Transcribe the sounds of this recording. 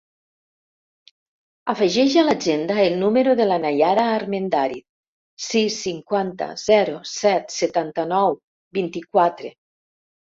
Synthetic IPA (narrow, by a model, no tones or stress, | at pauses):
afeʒɛʒalad͡ʒend̪aelˠnumeɾoðelanajaɾaːɾmend̪aɾit̪̚ | sisːiŋkwant̪a̰z̥ɛɾosɛt̪set̪ant̪anɔw | bint̪ikwat̪ɾe